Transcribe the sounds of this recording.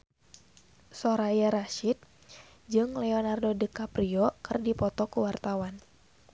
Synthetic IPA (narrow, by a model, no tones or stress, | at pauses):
soɾajaɾaʃit̪̚ | d͡ʒɨŋlɛoɔnardodəkapɾiɔkɨrdipɔt̪ɔkuwart̪awan